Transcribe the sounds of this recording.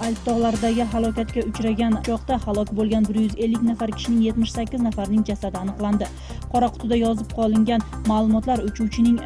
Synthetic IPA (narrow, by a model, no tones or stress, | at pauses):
ajp̚t̪ʰɒʁlˠaɾd̪aɡʲɪɦalˠɒkʲat̪kʲaʊt͡ʃɾaɡʲant͡ʃʰɒqt̪ahalˠɒkʲbolˠɡʲanbɪɾjʏze̞lːɪkʲnafaɾkʲʰɪ̥ʃɪnɪŋje̞t̪mɪʃsakʲːɪznafaɾnɪŋd͡ʒasad̪ɪanɨqlˠand̪ɪ | qʰɒɾaqʰʊ̥t̪ʊd̪ajɒzɪp̚qʰɒlˠɪŋɡʲanmalˠʊmɒt̪laɾʊt͡ʃʰuwt͡ʃʰɪnɪŋ